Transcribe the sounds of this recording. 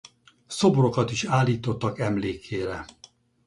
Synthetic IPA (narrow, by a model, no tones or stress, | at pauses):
so̞boro̞kɒt̪iʃaːlːiːt̪o̞t̪ːɒkɛmleːkʰeːɾɛ